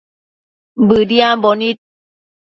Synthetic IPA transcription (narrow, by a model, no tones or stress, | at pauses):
bɯdiambɔnit̪̚